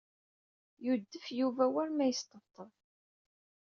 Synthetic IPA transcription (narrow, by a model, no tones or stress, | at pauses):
jud̪ːəfjuvæwæɾmæjəst̪ət̪ˤːəɾˤ